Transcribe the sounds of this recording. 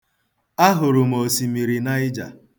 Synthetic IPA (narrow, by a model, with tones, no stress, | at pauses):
a˦ɦʊ˨ɾʊ˨m˨o˨si˨mi˨ɾi˨na˦ɪ˦d͡ʒa̰˨